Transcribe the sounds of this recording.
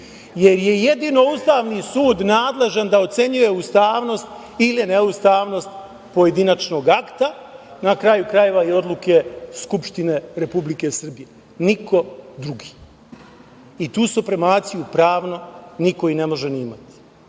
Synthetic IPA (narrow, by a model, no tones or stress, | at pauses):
je̞ɾje̞je̞d̪iːno̞ust̪aːʋnisuːd̪naːd̪le̞ʒand̪ao̞t̪se̞ɲuje̞ust̪aːʋno̞st̪ | ileneust̪aːʋno̞st̪ | po̞je̞d̪inat͡ʃno̞ːɡakt̪a | nakɾajukɾaje̞ʋaio̞d̪lˠuke̞skupʃt̪ine̞ɾe̞publike̞sr̩bije | niko̞d̪ɾuɡi̥ː | it̪uːsupɾemaːt̪sijupɾaːʋno̞nikoine̞mo̞ʒeniːma̰t̪i̥